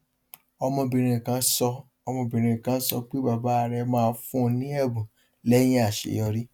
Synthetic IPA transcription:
ɔ˧mɔ̃˧bĩ˨ɾ̃ĩ˧˨kã˨˦sɔ˧ | ɔ˧mɔ̃˧bĩ˨ɾ̃ĩ˧˨kã˨˦sɔ̰˧k͡pe˦ba˨ba˨˦a˨ɾɛ˧mãː˦˧fũ˦˧nĩ˦ɛ˦˨bũ˨ | lɛ˦j̃ĩ˦a˦˨ʃḛ˨jɔ˧ɾi˦

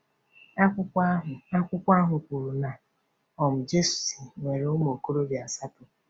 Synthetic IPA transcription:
ɦa˦kʷʊ˦kʷa˦ɦʊ˨kʷu˨ɾu˨na˨ | ɔ˨m̩˨d͡ʒe˦su̥˨si˨ŋʷe˨ɾe˨ʊ˦m˦o˨ko˦ɾo˦bja˨sa˦tʊ˨

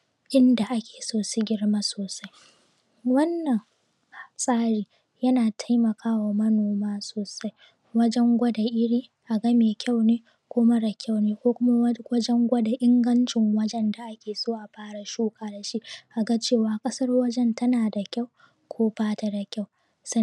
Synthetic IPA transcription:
ʔɪ˦nda˨ʔa˦kʲe̥ː˨soː˦˨si˦ɡʲɪ˦ɽma˦soː˨sa˦j | wɐ˦nːɐ˨ŋ | hsʼaː˦ɽiː˨ | jɐ˦naː˨tʰa˦jmɐ˨kʰaː˦waː˨mɐ˦noː˨maː˦soː˨sa˦j | wɐ˦d͡ʒɛ˦ŋɡʷɐ˦da˨ʔɪ˦ɽiː˦ | ʔa˨ɡɐ˦meː˨kʲa˦˨wneː˦ | kʷʊː˦mɐ˦ɽa˨kʲa˦˨wneː˦kʷoː˦kʷʊ˦ma˦wɐ˦d͡ʒɛ˦ŋɡʷɐ˦da˨ʔɪ˦ŋɡɐ˦nt͡ʃɪ˨ŋwɐ˦d͡ʒɛ˦nda˨ʔa˦kʲeː˨soː˦ʔa˨ɸaː˦ɽa˨ʃuː˦kʼaː˨da˨ʃi˦ʔʔa˨ɡa˦t͡ʃeː˦˨waː˨kʼɐ˦sɐ˦rwɐ˦d͡ʒɛ˦ntʰɐ˦naː˨da˨kʲa˦˨w | kʷʰoː˦baː˦ta˦da˨kʲa˦˨w | sa˦

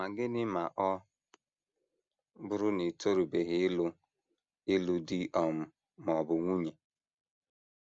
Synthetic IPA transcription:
ma˨ɡɪ˦nɪ˦ma˨ʔɔ˦ | bʊ˦ɾʊ˦ni˨to˦ɾu˨be˨ɦɪ˦lʊ˦ | ɪ˦lʊ˦di˦ʔɔ˨m̩˦ | m˨ɔ˨bʊ˨ŋʷu˦ɲe˨

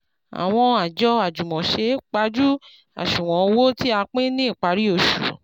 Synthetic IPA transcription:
a̰˨w̃ɔ̃˧a˨d͡ʒɔ˧a˨d͡ʒu˨mɔ̃˨ʃe˧˦k͡pa˧˦d͡ʒu˦ | a̰˨ʃũ˨wɔ̃˨˧wo˦ti˦a˧k͡pẽ˦nĩ˦i˦˨k͡pa˨˦ɾi˦o˧˨ʃṵ˨

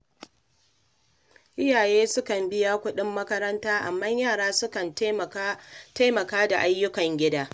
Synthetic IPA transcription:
ʔɪ˦jaː˨jeː˦sʊ˦kɐ˨mbɪ˦jaː˦kʷʊ˦ɗɪ˦mːɐ˦kɐ˦ɾɐ˦ntaː˦ʔa̰˨mːa˦ɲjaː˦˨ɽaː˦sʊ˦kɐ˨n | ta˦mɐ˨kaː˦da˨ʔa˦jːʊ˦kɐ˨ŋɡʲɪ˦daː˦

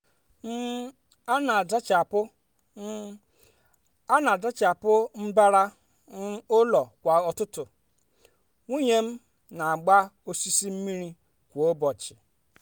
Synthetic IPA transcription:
m̩˦ | a˦na˨a˨da˦t͡ʃa˨pʊ˦ | a˦na˨a˨da˦t͡ʃa˨pʊ˦m̩˦ba˦ɾa˦ | o˦lɔ˨kʷa˨ɔ˨tʊ˦tʊ˨ | ŋʷi˦ɲe˦m̩˦ | na˨a˨ɡ͡ba˦o˦si˦si˦m̩˦mi˦ɾi˦ | kʷu˨o˦bɔ˨t͡ʃɪ̥˨

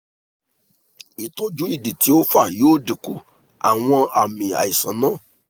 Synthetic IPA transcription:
i˨tɔ˧d͡ʒu˦i˦˨di˨ti˨˦o˦fa˦˨joː˦˨di˨ku˦ | a̰˨w̃ɔ̃˧a˨mĩ˨a̰˨i˨sã˨˦nãː˦˨

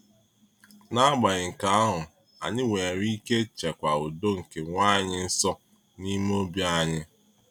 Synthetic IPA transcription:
na˦ɡ͡ba˨ɲɪ˨ŋ̩˨ka˨a˦ɦʊ˨ | a̰˨ɲɪ˦we˨ɾi˦ke˦t͡ʃe˨kʷa˨o˨do˦ŋ̩˨ke˨ŋʷa˦˨ɲɪ˦n̩˦sɔ˦ | ni˦m˦o˦bja˦ɲɪ˦

